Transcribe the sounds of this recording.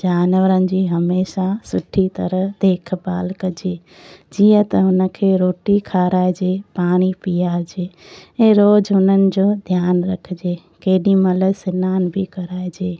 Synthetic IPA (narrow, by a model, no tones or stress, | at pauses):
d͡ʒaːnʋəɾən̆d͡ʒiɦəmeːʃasʊʈʰːit̪əɾəɦd̪eːkʰbaːlkəd͡ʒeː | d͡ʒijə̃t̪əɦʊnəkʰeːɾoːʈikʰaːɾaːed͡ʒepaːɽ̃ipijaːɾd͡ʒeː | eɾoːd͡ʒɦʊnənɪ̆d͡ʒod̪ʱjaːnɾəkʰd͡ʒeː | keːɗimələsɪnaːnbʱikəɾaːed͡ʒeː